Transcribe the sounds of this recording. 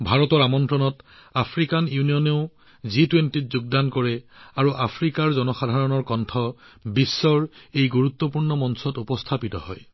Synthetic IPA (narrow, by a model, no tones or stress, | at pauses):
bʱaɹɔtɔɹamɔntɹɔnɔtapʰɹikanjunijɔneʊ | zitwentit̚zuɡ̚dankɔɹɛaɹuʔapʰɹikaɹzɔnɔxadʱaɹɔnɔɹkɔntʰɔ | bisːɔɹejɡuɹut̪ːɔpuɹnɔmɔnsɔtupɔstʰapitɔ̰hɔ̰j